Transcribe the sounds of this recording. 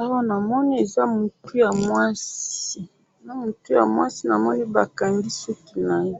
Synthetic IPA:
a˦wa˦na˨mɔ˦ni˦e˨za˦mu˨tu˦ja˨mwa˦si˦ | na˦mo˨tu˦ja̰˨mwa˦si˦na˨mɔ˦ni˦ba˨ka˨ndi˦so˦ki˦na˨je˦

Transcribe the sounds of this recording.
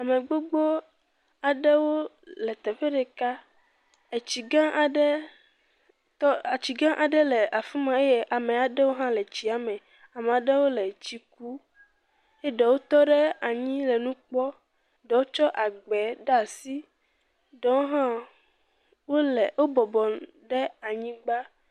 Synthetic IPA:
a˨mẽ˨ɡ͡bo˦ɡ͡bo˦ | a˨ɖɛ˦wo˦ | lɛ˨t̪ɛ˨ɸe˦ɖɛ˨ka˦ | e˨t͡ɕi˨ɡã˦ʔa˨ɖe˦ | tɔ˦a˨t͡ɕi˨ɡã˦ʔa˨ɖɛ˦lɛ˨ʔa˨fi˦mã˨e˦je˦ʔa˨mẽ˨a˨ɖɛ˦wo˦ɦã˦lɛ˨t͡ɕi˨a˨mɛ̃˨ | a˨mẽ˨a˨ɖe˦wo˦lɛ˨t͡ɕi˨ku˦ | e˦ɖɛ˨wo˦t̪ɔ˦ɖɛ˦a˨ɲĩ˦lɛ˨nũ˦k͡pɔ˦ | ɖɛ˨wo˦t͡ʃɔ˦ʔa˨ɡ͡bɛ˨ɖa˨si˦ | ɖɛ˦wo˦ɦã˦ | wo˦lɛ˨wo˦bɔ˨bɔ˨ | ɖɛ˦a˨ɲĩ˦ɡ͡ba˦

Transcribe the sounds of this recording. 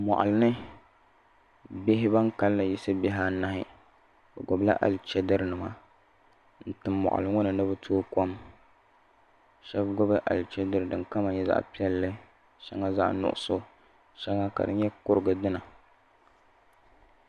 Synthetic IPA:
mɔ̰˨ʔa̰˨lɨ˦nɨ˦ | be˦ɦɪ˦ba˦ŋka˦lːa˨ji˦sɨ˦bɪ˦ɦaː˦na˦hɪ˦˨ | bɛ˨ɡʊ˨bla̰˦ʔa̰˨lt͡ʃɛ˦dɨ˦ɾnɨ˨ma˨ | n̩˨tɨː˨ɔ̰˨ʔa̰˨lɨ˦ŋʊ˦nɨ˨nɨ˦bɨ˦tʰoː˦ko˦m | ʃɛ˦bɡʊ˦bɨ˦ʔa̰˨lt͡ʃɛ˦dɨ˦ɾɨ˨dɨ˨ka˦ma˨ɲɛ˦za̰˦ʔpi˦ɛ˦lːɨ˦ | ʃɛ˦ŋa˦za̰˦ʔnʊ̰˨ʔʊ̰˨so˦ | ʃɛ˦ŋa˦ka̰˨dɨ˦n˦ɲɛ˦kʊ˦ɾɨ˨ɡɨ˨dɨ˦na˨

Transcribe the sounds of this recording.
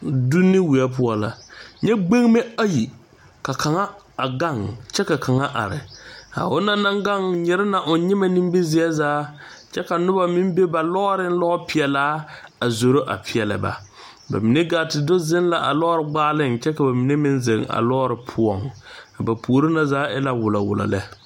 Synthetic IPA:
du˦nːɪ˦wi˨a˦p̬ʊ˦ɔ˨la˨ɲɛ˦ɡ͡be˦ŋ˦me˦a˦ji˨ | ka˨ka˨ŋa˦ | a˨ɡa˦˨ŋ˨t͡ʃɛ˦ka˨kʰa˨ŋa˦ʔa̰˨ɾɪ̰˨a̰˨ʊ˦na˦na˦ŋɡa˦ŋɲɛ˨ɾɪ˦na˨ʔʊ˨n˦ɲɪ˦ma˦ni˦m˦bɪ˦zɪ˦a˦zaː˦ | t͡ʃɛ˦ka˨nʊ˦ba˦mɪ˦m˦be˦ba˨lɔ˦ɾɪ˦n̩˦lɔ˦ʔɔ˦pi˨ɛ˨laː˦a˨zo˨ɾo˦ʔa̰˨pʰɪ˨ɛ˨lɨ̰˨ba̰˨ | ba̰˨mɪ˨ne˦ɡaː˨tɪ˨do˦zɪ˦n˦la˨ʔa˨lɔ˦ɾɪ˨ɡ͡baː˦lɪ˦˨nt͡ʃɛ˦ka˨ba˨mɪ˨ne˦mɪ˦nze˨ŋa̰˨lɔː˦ɾɪ˨pʰʊ˦ɔ˨ŋka˨ba˨pʰu˨o˨ɾɪ˦na˦zaː˦ɛ˦la˦wʊ˨la˨wʊ̰˨la̰˨lɛ˦

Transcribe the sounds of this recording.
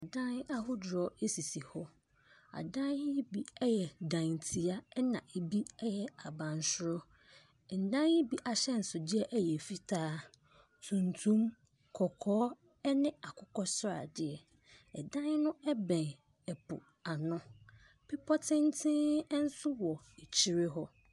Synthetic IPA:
a˨dã˦n˦a˦hʊ˦dɾɔ˨e˦si˨si˨hɔ˦ | a̰˨dã˦ne˦bi˦ɛ˦jɛ˨dã˨ntʰi˨a˦ɛ˦nã˨ʔe˨bi˦ɛ˦jɛ˦a˨bã˨n˨sʊ˦ɾɔ˦˨ | n̩˨dã˦n˦ɪ˦bi˦ʔa˨ɕɛ˦n̩˨sʊ˨dɪ˦ɛ˦ʔɛ˦jɛ˨fi˦tʰaː˦ | tʰũ˨n˨tʰũ˦m | kʰɔ˨kʰɔː˦ | ɛ˦nɪ̃˦a˨kʰʊ˦kʰɔ˦sʊ˦ɾa̰˨dɪ˦ɛ˨ | ɛ̰˨dã˦ɲ˦nʊ̃˦ɛ˦bɛ̃˨n | ɛ˨pʰʊ̰˨ | a˨nʊ̃˦ | pʰɪ˦pʰɔ˦tʰɪ̃˦n˦tʰɪ̃˦ɛ˦n̩˦sʊ˦wɔ˨ | e˨t͡ɕʰi˦ɾɪ˦ɦɔ˦

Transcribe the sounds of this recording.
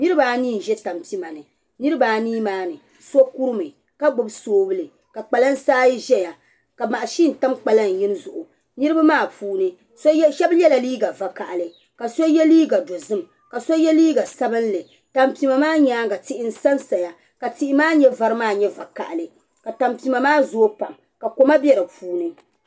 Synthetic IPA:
nɨ˦ɾɨ˦baː˨˦niː˦˨n̩˨ʒɛ˦ta˨mpi˦ma˨nɨ˨ | nɨ˦ɾɨ˦baː˨niː˦maː˦nɨ˨ | so˦ku˦ɾɨ˦mɨ˨ | ka˦ɡ͡bʊ˦˨bsoː˦bɨ˦lɨ˨ | ka˨k͡pa˨la˦n̩˦saː˦ji˦ʒɛ˦ja˨ | ka˨ma˨ʔa˨ʃi˦n̩˨ta˦mk͡pa˨la˦˨n̩˨jɪ˦n˦zʊ˨ʔʊ˨ | nɨ˦ɾɨ˦ba˦maː˦˨pʰuː˦nɨ˦ | sʃɛ˦bjɛ˦la˨liː˦ɡa˨va˨ka˨ʔa˨lɨ˨ | ka˨so˦jɛ˦liː˦ɡa˨do˨zɨ˦m | ka˨so˦ɛ˦liː˦ɡa˨sa˦bɨ˦nlɨ˨ | ta˨mpi˨ma˨maː˦ɲaː˦ɡa˨tɪ˦ʔɪ˦n̩˦sa˦nsa˨ja˨ | ka˨ti˦ʔɪ˦maː˦ɲɛ˦va˨ɾɨ˦maː˦˨ɲɛ˦va˨ka̰˨ʔlɨ˨ | ka˨ta˨mpi˨ma˨maː˦zoː˦pa˨m | ka˨ko˨ma˦bjɛ˦ɾɨ˨puː˦nɨ˦

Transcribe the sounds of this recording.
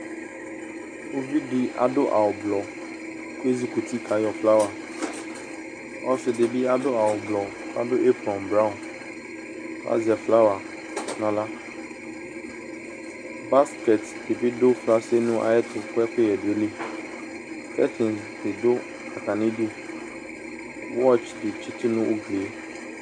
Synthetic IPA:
o˦vi˦di˦a̰˨dʊ˦ʔa̰˨wʊ˨blɔ˨ | kʊ˦e˦zi˦ku˨tʰi˦kʰa˨jɔ˨fla˦wa˨ | ɔ˦sɪ˨de˨bi˦a˦dʊ˦a˨wʊ˨blɔ˨ | ka̰˦dʊ˦ʔe˦fɾɔ̃˨m˨bɾã˦ʊ̃˨n | ka̰˦zɪ˨ɛ˨fla˦wa˨ | nã˨la˦ | ba˦skɛ˨t | ɪ˨bɪ˦dʊ˦fla˦se˦nʊ̃˦ʔa̰˨jɛ˦tʰʊ˨kʰʊ˦ɛ˦kʰɛ˦jɛ˨dʊ˨e˦le˦ | kʰɛ˦tʰɪ̃˨n | dɪ˨dʊ˦ | a˨ka˨nɪ̃˦du˦ | wɔ˦t͡ʃdɪ˨t͡ʃʰɪ˦tʰɪ˦nʊ̃˦ʔʊ˦ɡle˨˦

